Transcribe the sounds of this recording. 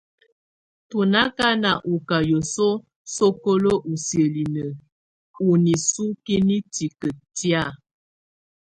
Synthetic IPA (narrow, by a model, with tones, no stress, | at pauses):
tu˨na˦ka˦na˨ʔu˨ka˨jo˨so˦ | so˦ko˦lo˦ʔu˨sjə˨li˨nə˨ | u˨ni˨su˦ki˦ni˦ti˨kə˨tja˦˨